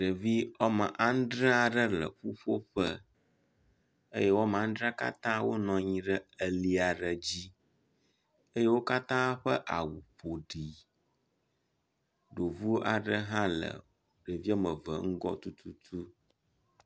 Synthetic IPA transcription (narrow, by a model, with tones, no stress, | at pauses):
ɖə˨vi˦ɔ˦mə˨ʔa˦n̩˦ɖɾə̃˦a˨ɖə˦lə̰˨ɸu˦ɸo˦ɸə˦ | ḛ˦jɛ˦wɔ˦m˨a˨˦n̩˦ɖɾa˦ka̰˦t̪ã˦wo˦nɔ̃˨ɲĩ˦ɖə˦ə˨li˦a˨ɖə˨d͡ʑi˦ | ə˦je˦wo˦ka˦t̪ã˦ɸə˦ʔa˨wu˨ɸo˨ɖi˨ | ɖo˨vu˦o˦ʔa˨ɖə˦ɦã˦lə̰˨ | ɖə˨vi˦ɔ˦mə˨və̰˨ŋ̩˦ɡɔ̰˦t̪u˦t̪ʰu˦t̪ʰu˦